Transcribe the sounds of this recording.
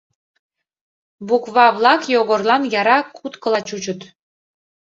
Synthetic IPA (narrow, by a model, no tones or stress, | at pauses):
bukβɑβlˠɑkjoɣorlˠɑnjɑɾɑkʰut̪kɤ̆lˠɑt͡ɕut͡ɕə̆t̪